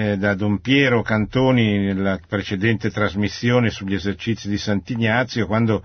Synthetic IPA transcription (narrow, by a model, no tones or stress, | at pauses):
d̪ad̪ompjɛːɾokant̪oːninelːapɾet͡ʃed̪ɛnt̪et̪ɾazmisːjoːnesuʎːezert͡ʃit̪sːid̪isant̪iɲat̪sːjokwand̪o